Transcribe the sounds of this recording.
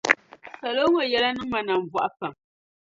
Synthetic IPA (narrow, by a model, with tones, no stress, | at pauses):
sa˨lo˦ŋo˨jɛ˦la˦nɨ˦ma˨na˨ɱ˨vwa˨ʔpa˨m